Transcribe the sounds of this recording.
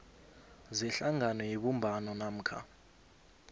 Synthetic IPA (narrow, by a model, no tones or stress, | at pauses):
zɛɬaŋanɔjeɓumbʱanɔnam̩kʰa̰